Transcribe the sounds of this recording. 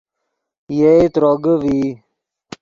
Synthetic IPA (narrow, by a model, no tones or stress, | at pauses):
jeit̪ɾoɡəʋi